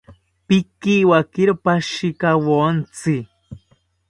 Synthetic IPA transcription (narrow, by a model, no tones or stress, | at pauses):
pikiwakiɾopaʃikawont͡si